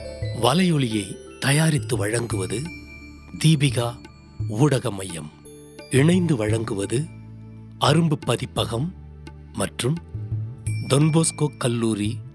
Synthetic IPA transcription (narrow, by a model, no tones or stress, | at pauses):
ʋɐlɐjɔɭɪjɐɪt̪ɐjaːɾɪt̪ːɯʋɐɻɐŋɡɯʋɐðɯ | d̪iːbɪɣaː | uːɽɐɣɐmɐjɐ̰m | ɪɳɐɪnd̪ɯʋɐɻɐŋɡɯʋɐðɯ | ʔɐɾɯmbɯpːɐðɪpːɐɣɐmː | ɐʈrɯm | d̪ɔnboːskoːkːɐlːuːɾi